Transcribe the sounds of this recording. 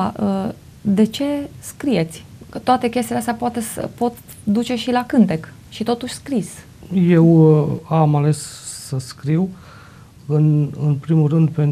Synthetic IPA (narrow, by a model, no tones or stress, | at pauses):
ʔə | d̪e̞t͡ʃe̞skɾije̞t̪sʲt̪oat̪e̞kʲest̪ileast̪eapoat̪e̞sə̰po̞t̪ | d̪ut͡ʃe̞ʃilakɨnt̪ekʃit̪o̞t̪uʃʲskɾis | je̞wamale̞ssəskɾiw | ɨnɨnpɾimulrɨnd̪pen